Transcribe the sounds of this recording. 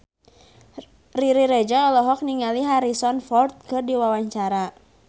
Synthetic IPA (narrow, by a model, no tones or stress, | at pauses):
riɾiɾed͡ʒaɔlɔɦɔk̚niŋaliɦaɾisɔnfɔrt̪̚kɨrdiwawaɲt͡ʃaɾa